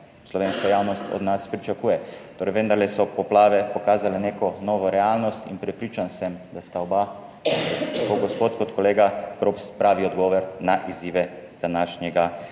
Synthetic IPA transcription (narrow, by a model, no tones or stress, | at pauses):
slɔʋeːnskajawnɔst̪ɔ̰d̪naspɾit͡ʃakuːjɛt̪oːɾɛɪjʋənd̪aɾlɛsɔpɔplaːʋɛpɔkaːzalɛneːkɔnɔːʋɔɾɛaːlnɔst̪ḭnpɾɛpɾiːt͡ʃansɛmd̪ast̪aɔba | t̪akoɡɔspoːt̪kɔt̪kɔleːɡapɾopspɾaːʋiɔd̪ɡɔːʋɔɾnaʔiziːʋɛd̪̥anaːʃnjɛɡa